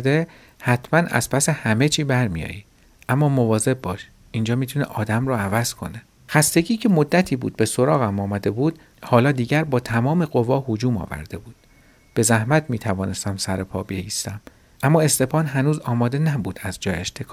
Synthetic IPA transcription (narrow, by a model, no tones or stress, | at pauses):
d̪e̞ | hæt̪ʰmænæ̰z̥pʰæsehæme̞t͡ʃʰiːbæɾmḭjɒ̰ːjiː | ʔæmːɒːmovɒːze̞bbɒːʃ | ind͡ʒɒːmiːt̪ʰunḛʔɒːd̪æmɾɔːævæz̥kʰo̞̰ne | xæst̪e̞ɟʲiːcʰe̞mod̪ːæt̪ʰiːbṵːd̪̥̚be̞so̞ɾɒːɣæmɒːmæd̪e̞buːd̪̥ | hɒːlɒːd̪iːɟæɾbɒːt̪ʰæmɒːme̞ɣo̞vɒːhod͡ʒuːmɒ̰ːvæ̰ɾd̪̥e̞buːd̪̥ | b̥e̞zæhmæt̪ʰmiːt̪ʰævɒːne̞st̪æmsæɾepʰɒ̰ːbejiːst̪æm | ʔæmːɒːe̞st̪e̞pɒːnɦænuːzɒːmɒːd̪e̞næbuːd̪̥æzd͡ʒɒːjeʃt̪ʰekʰː